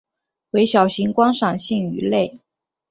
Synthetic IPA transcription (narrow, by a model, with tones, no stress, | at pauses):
we˧˥ɪɕjɑ˨˩ʊɕi˧˥ŋkwɑ˥ŋʂɑ˨˩ŋɕi˥˩ŋy̰˧˥le˥˩ɪ